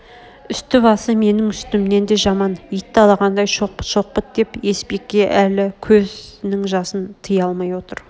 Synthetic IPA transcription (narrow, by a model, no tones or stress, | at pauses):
ʏst̪ɪβɑsəme̞nɪŋʏst̪ɪmne̞nd̪e̞ʒɑmɑnijt̪ːɑlˠɑʁɑnd̪ɑjʃo̞q̚ə̥t̪ʃo̞q̚ːət̪̚d̪e̞pe̞spe̞kʲːe̞ʔælɪkʲʰɵznɪŋʒɑsənt̪ʰəjɑlˠmɑjwo̞t̪əɾ